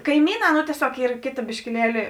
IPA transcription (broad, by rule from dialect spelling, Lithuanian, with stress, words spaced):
kɐɪˈmʲiːˌnɑː noː tʲiɛˈsʲoːk ˈiːr ˈkʲeːˌtɐ bʲɪʃʲkʲɪˈlʲiɛlʲɪ